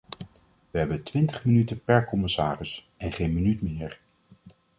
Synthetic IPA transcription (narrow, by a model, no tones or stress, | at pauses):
ʋəɦɛbəntʋɪntəχmənytəpɛɹkɔmɪsaːrɪs | ɛnχejnmənytmɪːɹ